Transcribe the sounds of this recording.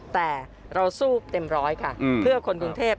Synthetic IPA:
t̪ɛː˨˩ | ɾa˧wsuː˥˩p̚t̪e˧mɾɔː˦˥jkʰa˥˩˧pʰɯ˥˩ɐkʰo˧nku˧ŋt̪ʰeː˥˩p̚

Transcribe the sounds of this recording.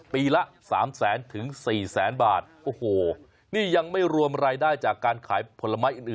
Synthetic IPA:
piː˧la˦˥ʔsaː˩˦msɛː˩˦nt̪ʰɯ˩˦ŋsiː˨˩sɛː˩˦nbaː˨˩t̪̚ʔoː˧hoː˨˩ | niː˥˩ja˧ŋma˥˩jɾu˧əmɾaː˧jdaː˥˩jt͡ɕaː˨˩kːaː˧nkʰaː˩˦jpʰo˨˦˥la˧ma˦˥jʔɯː˨˩nʔɯː˨˩

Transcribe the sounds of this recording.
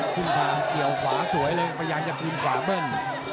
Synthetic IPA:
kʰɯ˧˩nt̪ʰaː˧ŋki˨˩əwkʰwaː˩˦su˩˦jlɤː˧ʔa˧˩pʰːjjaː˧nt͡ɕa˧k̪ʰɯː˧nkʰwaː˨˩˦bɤ˧˥˩ŋ

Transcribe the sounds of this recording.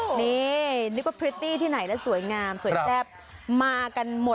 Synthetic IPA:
ni˦ni˦˥kwa˦˥pʰɾi˦˥t̪iː˥˩t̪ʰiː˥˩na˨˩˦jna˦˥su˨˩˦jŋaː˧msu˨˦tɛː˦˥˩p̚ | maː˧ka˧nmo˨˩t̚

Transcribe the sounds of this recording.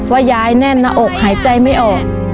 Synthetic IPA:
waː˧˩jaː˧jnɛ˧˥˩nːa˧ʔo˨˩k̚haː˩˦jt͡ɕa˧jma˥˩jʔɔː˨˩k̚

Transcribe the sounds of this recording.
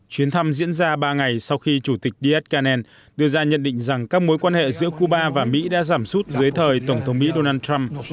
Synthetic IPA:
t͡ɕwi˨˦ənt̪ʰa˧mzḭ˧˥ənzaː˧ɓaː˧ŋa˨˩jsa˧wxi˧t͡ɕu˧˩t̪ï˨˩k̟̚ɗi˧ʔɛ˦˥t̚kaː˧nɛ˧n | ɗɨ˧əzaː˧ɲə̰˧˨nɗḭ̈˧˨ŋ̟za˨˩ŋkaː˦˥k̚mo˨˦jkwaː˧nhḛ˧˨zɨ̰˧˥əku˧ɓaː˧vaː˨˩mḭ˧˥ɗa̰ː˧˥zaː˧˩msu˦˥t̚zɨː˨˦jt̪ʰəː˨˩jt̪ə˧˩wŋ͡mt̪ʰə˨˦wŋ͡mmḭ˧˥ɗo˧naː˧nt̪a˧m

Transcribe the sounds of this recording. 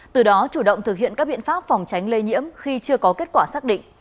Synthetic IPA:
t̪ɨ˨˩ɗɔ˨˦t͡ɕu˧˩ɗə̰˧˨wŋ͡mt̪ʰɨ˨˩k̚hḭ˧˨ənkaː˦˥k̚ɓḭ˧˨ənfaː˦˥p̚fa˨˩wŋ͡mt͡ɕa˨˦jŋ̟le˧ɲḭ˧˥əmxi˧t͡ɕɨ˧əkɔ˨˦ke˦˥t̚kwaː˧˩saː˦˥k̚ɗḭ̈˧˨ŋ

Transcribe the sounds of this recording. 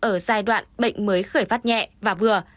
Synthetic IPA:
ʔəː˧˩zaː˧jɗwa̰ː˧˨nɓə̰˧˨ŋ̟məː˨˦jxəː˧˩jfaː˦˥t̚ɲɛ̰˧˨vaː˨˩vɨ˨˩ə

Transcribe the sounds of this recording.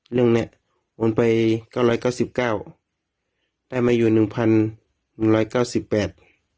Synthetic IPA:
lɯ˥˧˩əŋnɛ˧ʔ | ʔo˧˦npa˨˧jka˧˥˩wɾlɔː˧˥˩jkaː˥˩wsi˨˧˦p̚kaː˥˩w | d̥aː˥˩jmaː˧juː˨˩nɯ˨˩ŋpʰa˧˥nː | nɯ˨˩ŋlɔː˧˩jkaː˥˩wsi˨˧˦pːɛː˨˩t̪̚

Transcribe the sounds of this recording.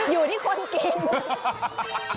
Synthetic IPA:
juː˨˩tiː˥˩kʰo˧nki˧˩ŋ

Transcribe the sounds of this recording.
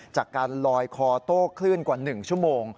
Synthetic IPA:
t͡ɕaː˨˩kːaː˧nlɔː˧jkʰɔː˧t̪oː˥˩kʰlɯ˥˩ənkwaː˨˩nɯ˨˩ŋt͡ɕʰu˥˩əmoː˧ŋ

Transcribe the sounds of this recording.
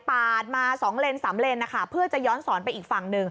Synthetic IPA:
paː˨˩t̪̚maː˧sɔː˩˦ŋɾe˧nsaː˩˦mɾe˧nːa˦˥kʰa˦˥˩pʰɯ˥˩ɐt͡ɕa˨˩jɔː˦˥nsɔː˩˦npa˧jʔiː˨˩k̚fa˨˩ŋnɯ˨˩ŋ

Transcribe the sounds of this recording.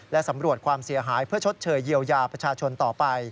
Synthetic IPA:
lɛ˦˥ʔsa˩˦mɾu˨˩ət̪̚kʰwaː˧msi˩˦ɐɦaː˩˦jpʰɯ˥˩ɐt͡ɕʰo˦˥t̪̚t͡ɕʰɤː˨˩jːi˧əwjaː˧pɾa˧t͡ɕʰaː˧t͡ɕʰo˧nt̪ɔː˨˩pa˧j

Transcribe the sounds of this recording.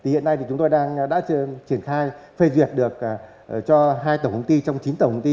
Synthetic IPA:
t̪i˨˩hḭ˧˨ənːa˧jt̪i˨˩t͡ɕʊ˨˦ŋ͡mt̪jɗaː˧ŋɗa̰ː˧˥˧t͡ɕi˧˩ənxaː˧jfe˧zwi˨˩ət̚ɗɨ˨˩ək̚ | t͡ɕɔ˧ɦaː˧jt̪ə˧˩whə˧ŋ͡mt̪i˧t͡ɕɔ˧wŋ͡mt͡ɕi˨˦nt̪ə˧˩whə˧wŋ͡mt̪i˧

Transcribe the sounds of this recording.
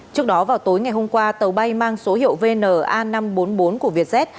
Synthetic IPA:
t͡ɕɨ˦˥ək̚ɗɔ˨˦vaː˨˩wt̪o˨˦jŋa˨˩jɦo˧mkwaː˧t̪ə˨˩wɓa˧jmaː˧ŋso˨˦hḭ˧˨əwve˧nəː˨˩ʔaː˧na˧mɓo˨˦nɓo˨˦nku˧˩əvi˨˩ət̚zɛ˦˥t̚

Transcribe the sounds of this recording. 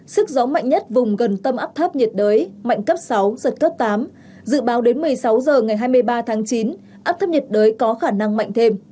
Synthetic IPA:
sɨ˦˥k̚zɔ˨˦ma̰˧˨jŋɲə˦˥t̚vʊ˨˩ŋ͡mɣə˨˩nt̪ə˧mʔaː˦˥p̚t̪ʰə˦˥p̚ɲi˨˩t̚ɗəː˨˦jma̰˧˨jŋ̟kə˦˥p̚sa˨˦wzə˨˩t̚kəː˦˥p̚t̪aː˨˦m | zɨ̰˧˨ɓaː˨˦wɗe˨˦nmɨ˨˩əjsa˨˦wzəː˨˩ŋa˨˩jɦaː˧jmɨ˧əjɓaː˧t̪ʰaː˨˦ŋt͡ɕi˨˦n | ʔaː˦˥p̚t̪ʰə˦˥p̚ɲi˨˩t̚ɗəː˨˦jkɔ˨˦xaː˧˩na˧ŋma̰˧˨jŋ̟t̪ʰe˧m

